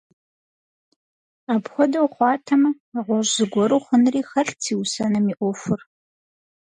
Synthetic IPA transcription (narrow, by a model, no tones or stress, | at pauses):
aːbxʷɔdɐwqʷɑːtʰɐmɐ | ɐʁʷɔʒzɨɡʷɔɾuχʷənriːxɐɬtʰiːwsɐnɐmiːʔʷɔfʊr